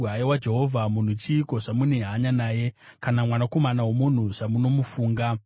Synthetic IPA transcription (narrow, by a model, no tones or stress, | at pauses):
aewad͡ʒe̞ɦo̞vʱamun̤ut͡ʃiːko̞ʂamuneɦaɲanaːje̞kanamwanako̞manawomun̤uʐamuno̞mufuːŋɡa